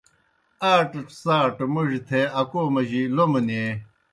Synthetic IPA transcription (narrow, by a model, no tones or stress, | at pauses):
aːʈsaːʈmuʐit̪ʰeɐkomɐʑiloməne